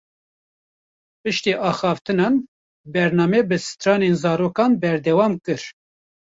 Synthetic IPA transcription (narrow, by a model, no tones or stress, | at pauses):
pɨʃt̪iːʔɑːxɑːft̪ɨnɑːn | bɛɾnɑːmɛːbɨsɨ̥t̪ɾɑːnenzɑːɾoːkɑːnbɛɾd̪ɛwɑːmkɨɾ